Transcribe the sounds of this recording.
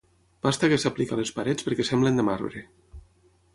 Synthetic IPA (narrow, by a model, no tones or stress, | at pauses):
b̥ast̪akesaplikalespaɾɛt͡spəɾkɛsɛmblend̪əmaɾβɾe